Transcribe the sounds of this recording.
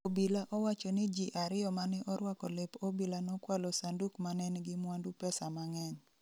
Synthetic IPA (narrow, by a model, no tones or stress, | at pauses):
obilaʔɔwat͡ʃɔnɪd͡ʒiʔaɾɪjɔmanɪʔɔɾwakɔlepobilanɔkwalɔsandukmanɛnɡɪmwandupɛsamaŋɛɲ